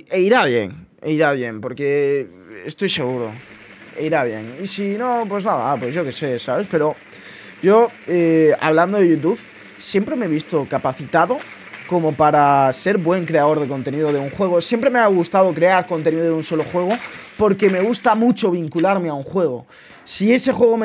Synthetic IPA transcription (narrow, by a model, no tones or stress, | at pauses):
eiɾaβje̞̰ŋ | ḛiɾaβje̞mpo̞ɾke | ḛst̪o̞jse̞ɣ̞uɾo̰ | ḛiɾaβ̞je̞ŋisinopwe̞znaða̰pwe̞zʝo̞kese̞saβe̞spe̞ɾo̞ | ɟ͡ʝoea̰βland̪oðeʝut̪̬uβ | sje̞mpɾemeeβist̪okapaθit̪aðo | ko̞mopaɾase̞ɾβwe̞ŋkɾe̞aðo̞ɾð̞e̞ko̞nt̪e̞niðoð̞euŋxwe̞ɣ̞osje̞mpɾe̞meaɣ̞ust̪að̞o̞kɾe̞aɾko̞nt̪e̞niðoðũnso̞loxwe̞ɣ̞opo̞ɾke̞me̞ɣ̞ust̪amut͡ʃo̞β̞iŋkulaɾmeauŋxwe̞ɣ̞o | sie̞se̞xwe̞ɣ̞om